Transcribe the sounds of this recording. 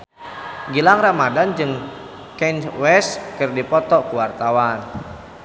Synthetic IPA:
ɡilaŋramadand͡ʒɨŋ | kɛnwɛskɨrdipɔt̪ɔkuwart̪awan

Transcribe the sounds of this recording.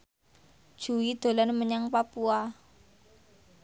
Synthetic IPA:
d̥ʒ̥ṳwid̪̥o̤lanməɲaŋpapua

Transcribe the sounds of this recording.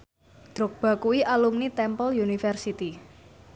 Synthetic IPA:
d̪̥ɾʊk̚b̥ä̤kuiʔalumnit̪ɛmpɔljunifɛrsit̪i

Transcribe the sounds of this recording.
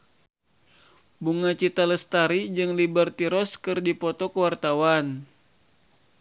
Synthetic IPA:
buŋat͡ʃit̪aləst̪aɾid͡ʒɨŋlibərt̪iɾɔskɨrdipɔt̪ɔkəwart̪awan

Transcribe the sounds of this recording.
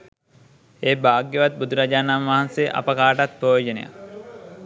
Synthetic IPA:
eːbaːɡjeʋat̪̚bud̪uɾad͡ʒaːnanʋaɦanseʔa̰pəkaːʈat̪̚poːd͡ʒənḛja̰

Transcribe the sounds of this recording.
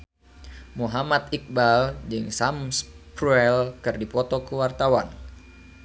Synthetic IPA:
muɦamat̪ik̚bald͡ʒɨŋsamspɾuɛlkɨrdipɔt̪ɔkuwart̪awan

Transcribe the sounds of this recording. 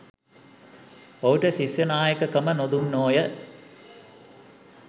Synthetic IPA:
ouʈəsisjɐnaːjəkəkɐmənod̪unːoːjə

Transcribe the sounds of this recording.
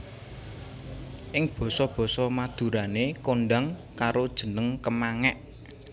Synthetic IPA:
ʔɪŋb̥ɔ̤sɔb̥ɔ̤sɔmad̪̥ṳɾanekoɳɖaŋkaɾod̥ʒ̥ə̤nəŋkəmaŋɛʔ

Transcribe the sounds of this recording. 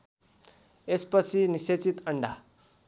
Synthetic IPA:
espʌt͡sʰiniset͡sit̪əɳɖa

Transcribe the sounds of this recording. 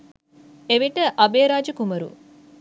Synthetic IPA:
eʋiʈəʔɐbeːɾaːd͡ʒɐkumɐɾṵ

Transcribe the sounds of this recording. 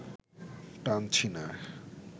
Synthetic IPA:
ʈant͡ɕʰina

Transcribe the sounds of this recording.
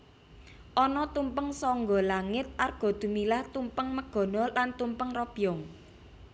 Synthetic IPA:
ʔɔnɔt̪umpəŋsɔŋɡɔlaŋɪt̪̚ʔarɡ̥ɔ̤d̪̥ṳmilaht̪umpəŋməɡ̥ɔ̤nɔlant̪umpəŋrɔb̥ijɔŋ

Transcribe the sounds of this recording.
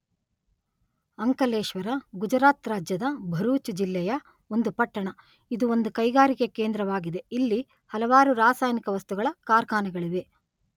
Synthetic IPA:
ɐŋkɐleːʂʋɐɾɐɡud͡ʒɐɾaːt̪ɾaːd͡ʒjɐd̪ɐbʱɐɾuːt͡ʃud͡ʒilːɛjɐ | o̞nd̪upɐʈːɐɳɐ | id̪uo̞nd̪ukɐjɡaːɾikekeːnd̪ɾɐʋaːɡid̪e̞ilːi | hɐlɐʋaːɾuɾaːsaːjnikɐʋɐst̪uɡɐɭɐkaːɾkaːnɐɡɐɭiʋe̞

